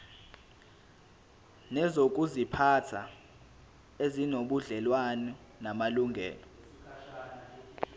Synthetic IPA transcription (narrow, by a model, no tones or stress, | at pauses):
nɛzok̬ʼuzipʰatʰa | ezinoɓuɮɛlwanɔ | namaluŋɡʱɛ̰ːlɔ